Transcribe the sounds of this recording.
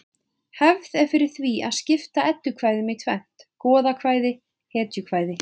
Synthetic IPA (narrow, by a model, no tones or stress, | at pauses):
hɛvðɛɾ̥fɪɾɪɾ̥θvia̰ðscɪft̪aɛt̪ːʏkʰvaːjðɪmɪt̪ʰvɛn̥t̪kɔːðakʰvaːjðɪ | hɛːt̪jʏkʰv̥aːjðɪ